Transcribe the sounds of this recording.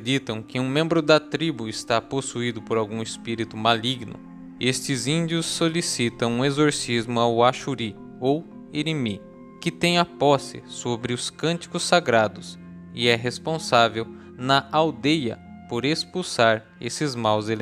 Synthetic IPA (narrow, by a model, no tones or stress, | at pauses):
d̪it̪ɐ̃w̃kɪũmẽmbɾʊd̪ɐt̪ɾibuɪst̪aposuid̪ʊpoɾawɡũɪspiɾit̪ʊmaliɡnʊ̰ | est͡ʃ̪ɪzĩd̪iʊsːolisit̪ɐ̃w̃ũezoɾsizmʊawaʃuɾi | ow | eɾimi | kɪt̪ẽj̃ɐpɔsɪ̰sobɾɪʊskɐ̃nt̪i̥kʊsaɡɾad̪ʊs | ɪɛɦespõsavew | nɐʔawd̪ejɐ̰ | poɾespuwsaɾ | esɪzmawzel